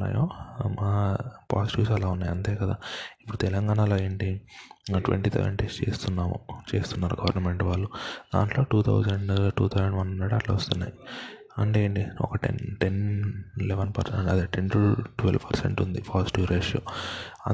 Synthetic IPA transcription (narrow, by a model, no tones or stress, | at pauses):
a̰ːjo̰ːmaːpaːsiʈiʋsɐlaːunːaːjɐnt̪eːkɐd̪a̰ːipːuɽut̪ɛlɐŋɡaːnaloːeːɳʈi | ʈʋḛɳʈiːsʰɛ̰ʋɐ̰ɳʈest͡ʃe̞ːst̪unːaːmṵt͡ʃe̞ːst̪unːaːɾuɡɐʋɐɾnɐme̞ɳʈʋaːɭːud̪a̰ːɳʈlo̞ːʈuːt̪ʰɐ̰wd͡ʒɐɳɖʈuːt̪ʰɐwd͡ʒɐɳɖʋɐnɐɽallɐːʋɐst̪unːa̰ːji | ɐɳʈeːɳʈiɔ̰kɐʈḛnʈenileʋɐnpɐɐd̪eːʈenʈulʈʋelʋpɐɾsḛɳʈund̪ipaːsi̥ʈiʋɾeːʂjo̰ːɐ